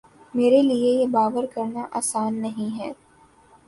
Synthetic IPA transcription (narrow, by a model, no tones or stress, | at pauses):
meːɾeliejebaːʋəɾkɐɾnaʔaːsaːnːɐɦĩɦɛː